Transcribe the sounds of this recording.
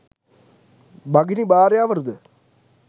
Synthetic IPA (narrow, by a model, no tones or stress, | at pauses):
bɐɡinibaːɾjaːʋɐɾd̪ɨ